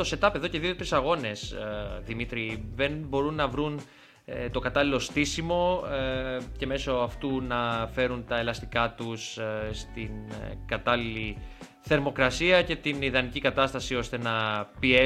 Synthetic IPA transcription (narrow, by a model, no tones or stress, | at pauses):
t̪o̞se̞t̪ɐpeðo̞ce̞ðio̞t̪ɾisɐɣo̞ne̞sðimit̪ɾiðenbo̞ɾunːɐvɾun | t̪o̞kɐt̪ɐlilo̞st̪isimo̞ | ce̞me̞so̞ɐft̪unɐfe̞ɾunt̪ɐe̞lɐst̪ikɐt̪usst̪inkɐt̪ɐlili | θe̞ɾmo̞kɾɐsiɐce̞t̪iniðɐnicikɐt̪ɐst̪ɐsio̞st̪e̞nɐpie